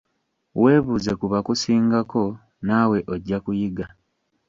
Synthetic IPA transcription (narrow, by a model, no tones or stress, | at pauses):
we̞ːβuze̞kuβakusiːŋɡako̞ | naːwe̞ʔoɟːakujiɡa